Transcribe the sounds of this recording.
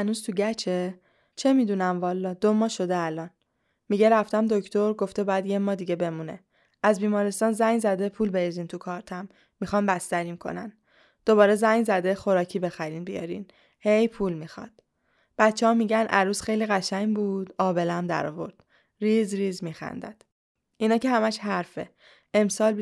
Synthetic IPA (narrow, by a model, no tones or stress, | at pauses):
hænuz̥t̪ʰuɟæt͡ʃʰe | t͡ʃʰe̞miːd̪unæmvɒːlːɒːd̪omɒːʃo̞d̪eælɒːn | miɟeɾæft̪æmd̪o̞cʰt̪ʰo̞ɾɡo̞ft̪ebɒːjæd̪jemːɒːd̪iɟebe̞munḛ | æzbiːmɒːɾest̪ɒːnzæŋzæd̪e̞pʰuːlbeɾiziːnt̪ʰukʰɒːɾt̪ʰæmː | ixɒːnbæst̪æɾiːmkʰo̞̰næ̰n | d̪̥o̞βɒːɾezæɲzæd̪exo̞ɾɒːcʰiːbe̞xæɾiːnbijɒ̰ɾḭːn | he̞jpʰuːlmixɒ̰d̪̥ | b̥æt̪t͡ʃʰːehɒːmiːɟænʔæɾuːsxe̞jliːɣæʃæɲbuːd̪̥ɒːbe̞læmd̪æ̰ɾɒ̰ːvo̞̰ɾd̪̥ | ɾiːzɾiːzmiːxæ̰nd̪æ̰d̪̥ | ʔinɒːcehæmæʃhæɾfḛ | emsɒːl